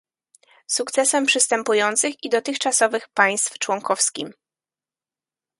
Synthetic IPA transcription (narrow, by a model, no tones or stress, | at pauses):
sukt̪sɛsɛmpʂɘst̪ɛmpujɔnt̪sɘxid̪ɔt̪ɘxt͡ʂasɔvɘxpaj̃st̪ft͡ʂwɔŋkɔfskʲim